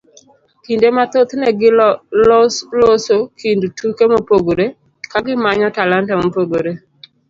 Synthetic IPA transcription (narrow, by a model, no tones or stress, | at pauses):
kindemat̪ot̪nɛɡɪllosokʰindtukemopoɡoɾe | kaɡɪmaɲɔtalantɛmopoɡoɾe